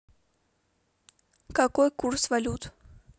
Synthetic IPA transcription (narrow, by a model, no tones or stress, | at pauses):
kakojkursvɐlʲut̪